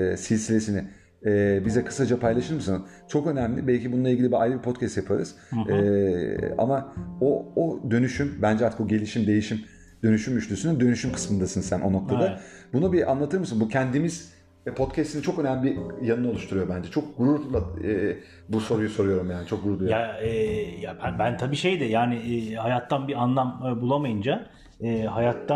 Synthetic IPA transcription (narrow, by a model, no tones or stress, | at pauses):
ɛsilʲsilʲe̞siniɪ | ɛːbizɛkʰɯ̥sad͡ʒapʰajlˠaʃɯɾmɯsɯnz | t͡ʃʰo̞kø̞næmlʲɪbɛlʲcibununˠilʲɟilʲibia̰jlɯbipʰo̞t̪cʰæst̪japʰaɾɯ̰z̥ | ɛːa̰maood̪ø̞nyʃymbænd͡ʒɛaɾt̪ʰɯkoɟe̞lʲiʃimd̪e̞jiʃim | d̪̥ø̞nyʃymyʃlʲysynid̪ø̞nyʃymkʰɯ̥smɯnd̪asɯnzsænʔono̞kt̪ʰadabunubiʔa̰nlˠat̪ʰɯɾmɯsɯnbucʰɛnd̪imiz̥ | pʰo̞t̪cʰɛst̪init͡ʃʰo̞kø̞næmlʲibijanɯno̞lˠuʃt̪ʰuɾujo̞bænd͡ʒɛt͡ʃʰo̞k̚ɡuɾuɾlˠaɛː | buso̞ɾujuso̞ɾujo̞ɾumjaːnit͡ʃʰo̞k̚ɡuɾuɾd̪ˠujjaɛjabnbænt̪ʰabiːʃe̞jd̪ɛjaːnɪːhajat̪ʰːanbianlˠamːbulˠamajɯnd͡ʒa | ɛːɦajat̪ʰːa